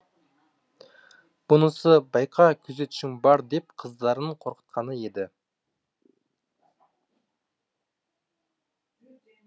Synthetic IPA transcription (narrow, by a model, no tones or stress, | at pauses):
b̥ʊnəsəbɑjqʰɑkʲʰɵze̞t̪ʊ̥ʃɪŋbɑɾd̪e̞pqʰəzd̪ɑɾəɴqʰo̞ɾqə̥t̪̚qɑnəje̞d̪ɪ